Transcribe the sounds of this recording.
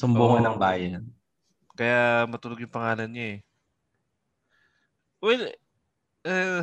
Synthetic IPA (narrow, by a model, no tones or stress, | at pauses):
sʊmbuŋɐnɐŋbaːjɐn | kɐjamɐt̪ʊlʊɡ̚jʊŋpɐŋaːlɐnɲaɛ | wɛl | ɛ